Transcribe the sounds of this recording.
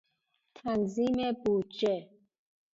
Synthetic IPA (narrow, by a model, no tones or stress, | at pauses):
t̪ʰanzimebud͡ʒe